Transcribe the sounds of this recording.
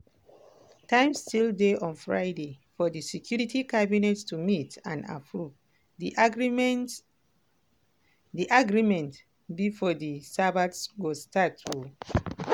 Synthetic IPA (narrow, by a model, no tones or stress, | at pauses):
tãɪ̃mstildeʔɔ̃nfɹa̰ɪdefɔdisɛkʰjuɹitikabinɛtstumitã̰na̰pʰɹuv | diʔaɡɹimɛ̃nt | bifɔdisabatsɡostatʰu